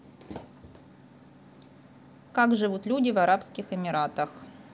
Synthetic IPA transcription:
kakʐɨvut̪lʲudʲɪvɐɾapskʲɪxɪmʲɪɾat̪əx

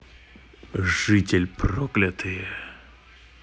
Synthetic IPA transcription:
ʐɨtʲɛlʲprɔklʲat̪ʰɨjɛ

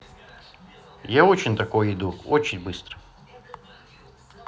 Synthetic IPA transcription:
jaot͡ɕɪnʲt̪ɐkojəɪd̪uot͡ɕɪnʲbɨst̪ɾə̥

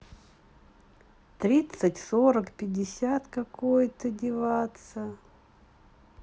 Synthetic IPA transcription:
t̪ɾʲit̪sɨtʲsoɾəkpʲɪdʲɪsʲat̪kɐkojt̪ədʲɪvat̪sə

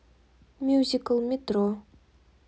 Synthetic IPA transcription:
mʲjuzʲikəlˠmʲet̪ɾo

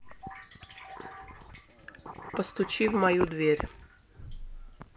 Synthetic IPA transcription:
pɔst̪ut͡ʃiwmajud̪ʋiɾ

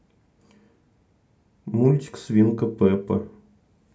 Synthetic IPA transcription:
mulʲt̪ʲi̥ksvʲinkəpɛpə̰

